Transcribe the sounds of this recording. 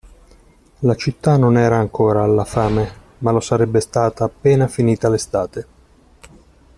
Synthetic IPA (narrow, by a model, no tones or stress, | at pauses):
lat͡ʃit̪ːanonɛːɾaːŋkʰoːɾaːlːafaːme | malosaɾɛbːest̪aːt̪aːpːeːnafiniːt̪alest̪aːt̪e